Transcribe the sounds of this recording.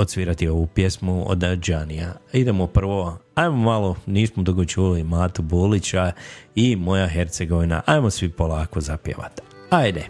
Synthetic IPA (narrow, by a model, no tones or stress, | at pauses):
ot̪sʋiːɾat̪io̞ʋupje̞smuo̰d̪d͡ʒanijaid̪emopr̩ʋo̞ajmomalˠoniːsmod̪uɡot͡ʃuːlimaːt̪ubulit͡ɕaimo̞jaɦe̞ɾt̪seɡo̞ʋina̰ʔajmosʋipo̞lˠaːkozapjḛʋa̰t̪ajd̪e